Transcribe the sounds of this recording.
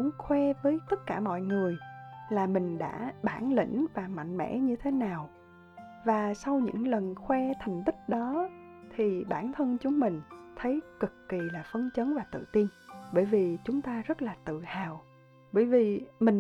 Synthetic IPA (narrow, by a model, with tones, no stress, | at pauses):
ʊ˨˧˦ŋ͡mxwɛ˧vəː˨˦jt̪ə˦˥t̚kaː˧˩mɔ̰˧˨jŋɨ˨˩əjlaː˨˩mï˨˩ŋ̟ɗa̰ː˧˥ɓaː˧˩nlḭ˧˥ŋ̟vaː˨˩ma̰˧˨jŋ̟mɛ̰˧˥ɲɨ˧t̪ʰe˨˦naː˨˩w | vaː˨˩sa˧wɲɨ̰˧˥ŋlə˨˩nxwɛ˧t̪ʰɛ˨˩jŋ̟t̪ï˦˥k̚ɗɔ˨˦ | t̪ʰi˨˩ɓaː˧˩nt̪ʰə˧nt͡ɕʊ˨˦ŋ͡mmï˨˩ŋ̟t̪ʰə˨˦jkɨ˨˩kːi˨˩laː˨˩fə˧nt͡ɕə˨˦nvaː˨˩t̪ɨ̰˧˨t̪i˧nɓəː˧˩jvi˨˩t͡ɕʊ˨˦ŋ͡mt̪aː˧zə˦˥t̚laː˨˩t̪ɨ̰˧˨haː˨˩w | ɓəː˧˩jvi˨˩mï˨˩ŋ